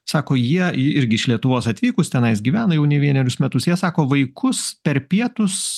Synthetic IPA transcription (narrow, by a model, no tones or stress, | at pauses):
sɑːkoːjiɛɪɾʲɡʲɪɪʃlʲiɛt̪ʊʋoːsɐt̪ʲʋʲiːkʊst̪ʲɛnɐɪsɡʲiːʋʲæːnɐjɛʊnʲɛʋʲiɛnʲɛɾʲʊsmʲɛt̪ʊsjiɛsɑːkoːʋɐɪkʰʊspʲɛɾpʲiɛt̪ʊs